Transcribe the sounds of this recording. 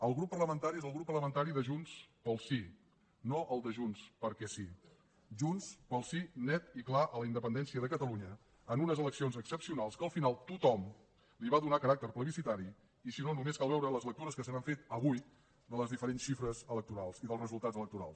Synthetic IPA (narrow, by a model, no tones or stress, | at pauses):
əlˠɣɾupːərləmənt̪aɾiezəlˠɣɾupːərləmənt̪aɾiðəʒunspəlˠsi | noʔəlˠd̪əʒunspəɾkɛsi | ʒunspəlˠsinɛt̪iklaʔələind̪əpənd̪ɛnsiəðəkət̪əluɲəː | nunəzələksionzəksəpsiunalˠskəːlˠfinalˠt̪ut̪ɔm | liβaðunakəɾak̚t̪ərpləβisit̪aɾi | isinonumeskalˠβ̞ɛwɾələzlək̚t̪uɾəskəs̬ənaɱfet̪əβuj | d̪ələzðifəɾensʃifɾəzələk̚t̪uɾalˠsiðəlˠrəzulˠt̪ad͡zələk̚t̪uɾa̰lˠs